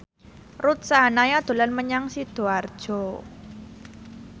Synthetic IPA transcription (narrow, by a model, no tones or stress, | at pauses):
rut̪̚sanajɔd̪̥o̤lanməɲaŋsid̪̥o̤ard̥ʒ̥ɔ̤